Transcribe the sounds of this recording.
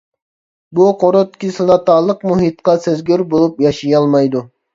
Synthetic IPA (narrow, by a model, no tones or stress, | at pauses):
buqʰoɾot̪kʲisɨlɑt̪ɑːlˠəqmuɦit̪qɑsezɡʲyɾbolˠupjɑʃijɑlˠmɑjd̪u